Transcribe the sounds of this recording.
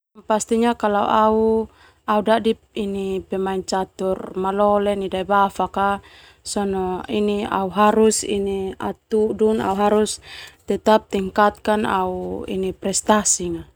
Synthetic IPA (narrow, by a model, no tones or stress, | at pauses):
past̪iɲakalaṵʔau | audaʔdi | inipɛmaiɲt͡ʃat̪urmalɔlɛnidaibafaka | sɔnɔinia̰uɦaɾusḭnia̰t̪uduna̰uɦaɾust̪ɛt̪ap̚t̪iŋkat̪̚kana̰uḭnipɾɛst̪asiŋa